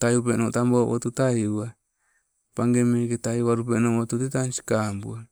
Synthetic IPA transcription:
tajupenoʔtambowo̰t̪utaiua | paŋɡemeketaiβaɾupenoot̪utetansi̥kambua

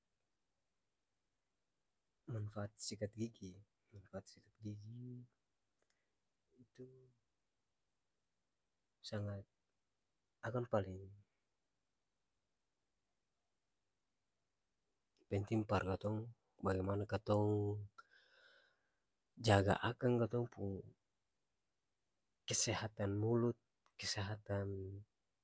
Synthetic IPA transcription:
manfaːt̪̚sikat̪̚ɡiɡi | manfaat̪̚sikat̪̚ɡiɡi | it̪u | saŋat̪̚ | akanpaliŋ | pɛnt̪imparkat̪ɔŋ | baɡɛmanakat̪ɔŋ | d͡ʒaɡa̰ʔakaŋkat̪ɔŋpuŋ | kɛsɛɦat̪anmulut̪̚ | kɛsɛɦat̪an

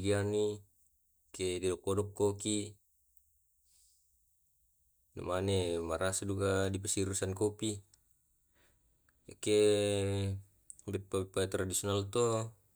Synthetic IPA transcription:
ɡiani | kedidɔkːodɔkːoki | na̰manemaɾʔasadukadipasiɾusankopi | ke | bɛpːabɛpːat̪ɾadisionalt̪o

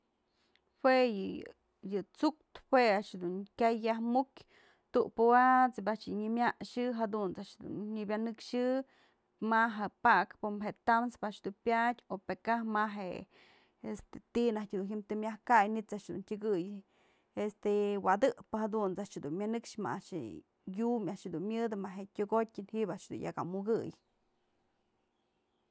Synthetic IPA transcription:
hwejɨ | jɨt͡suk̚t̪hweaʂd̪unkʲajːahmukʲ | t̪uʔpowat͡sbaʔt͡ʃɨɲɨmʲaʔʂɨɦad̪unt͡saʔʃd̪ṵnɲibʲjanɨkʂɨ | maɦapakpomɦeʔt̪amspaʔt͡ʃd̪unpʲjadʲopekahmaɦe | est̪e̥t̪inahtʲd̪unɦimt̪ɨmʲahkajnit͡saʔʃd̪ṵntʲɨɡɨj | est̪ewad̪ɨʔpɨhad̪unt͡saʔʃd̪unmʲanɨkʂma̰aʔʂɨ̰ | jumaʔʂd̪unmʲɨd̪ɨmaɦeʔtʲoɡotʲɨnhiʔbaʔʂd̪ṵnja̰ka̰muɡɨj

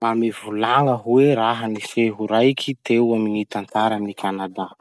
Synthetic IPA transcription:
mamivulaŋəɦuweɾaɦənifeɦuɾajkʰʲit̪ewaminit̪ant̪aɾaminikʰanad̪a

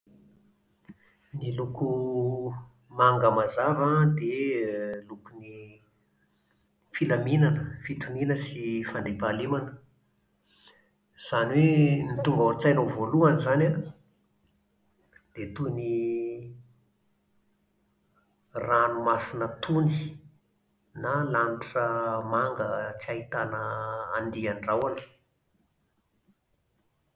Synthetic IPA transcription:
niluku | maŋɡəmazavad̪e | lukuni | filaminanəfit̪uninəsifand̪epalimanə̥ | z̥anwenit̪uŋɡaut͡sajnovoluanizana | d̪̥et̪uni | ranumasinət̪ʰuni | nalaniʈ͡ʂəmaŋɡət͡siaɦit̪anəand̪ianirawani̥

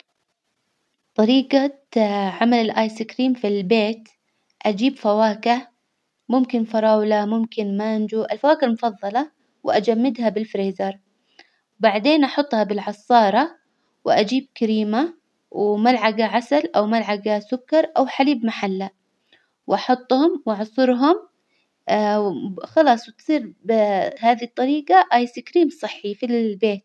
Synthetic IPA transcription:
t̪ˤɑɾiːqa | ʕamalɪlʔaːjsɪkɾiːmfilbeːt̪ | ʔad͡ʒiːbfawaːka | mʊmkɪnfɑɾˤɑːwlamʊmkɪnmand͡ʒuʔɪlfawaːkalmʊfɑðˤːɑlɑ | wɪʔad͡ʒamːɪd̪habɪlfɾeːzɑɾˤ | wbaʕd̪eːnʔɑħʊt̪ˤːhɑbɪlʕɑsˤːɑːɾˤɑ | wɪʔad͡ʒiːb̚kaɾiːma | wmalʕaɡaʕasalʔawmalʕaɡasʊkːɑɾˤʔawħaliːbmaħalːa | wʔɑħʊt̪ˤːhʊmwɑʕʊsˤʊɾɦʊm | xɑlɑːsˤwɪt̪sˤiːɾbɪhaːðit̪ˤːɑɾiːqɑʔɑjsikɾiːmsˤɨħːifilbeːt̪̚

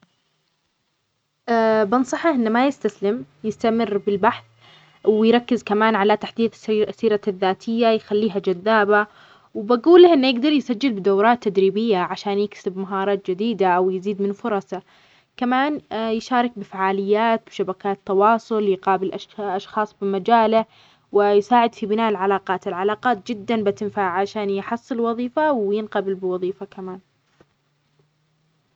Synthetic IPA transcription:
ʔabɑnsˤɑħɑʔɪnːamajɪst̪aslɪm | jɪst̪amɪrːbɪlbaħθ | wɪjɾˤɑkːɪzkamaːnʕalat̪aħd̪iːd̪sːiːɾaðːaːt̪ʰɪjːajxalːiːɦad͡ʒaðːaːba | wɪbaɡuːlːahʔɪnːjɪɡd̪ɑɾˤjsad͡ʒːɪlbɪd̪awɾˤɑːt̪ːad̪ɾiːbɪjːaʕaʃaːnjɪksɪbmaɦɑːɾˤɑːt̪̚d͡ʒɪd̪iːd̪aʔawjɪziːd̪mɪnfʊɾˤɑsɑ | kamaːnjɪʃɑːɾˤɪk̚bɪfaʕaːlɪjːaːt̪̚bɪʃabakaːt̪ːɑwɑːsˤʊljqɑːbɪlʔaʃʔɑʃxɑːsˤbɪmad͡ʒaːla | wɪjsaːʕɪd̪fibɪnaːʔɪlʕalaːqɑːt̪ɪlʕalɑːqɑːt̪̚d͡ʒɪd̪ːanbat̪ɪnfaːʕʕaʃaːnjħɑsˤːɨlwɑðˤiːfawjɪnqɑbɪlbɪwɑðˤiːfakamaːn

